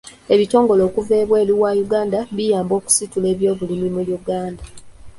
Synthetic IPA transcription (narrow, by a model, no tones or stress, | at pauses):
e̞βito̞ːŋɡo̞lo̞ːkuveːβwe̞ːliwajuɡaːndaβijaːmbo̞ːku̥situle̞ːβjo̞ːvulimimuljuɡaːnda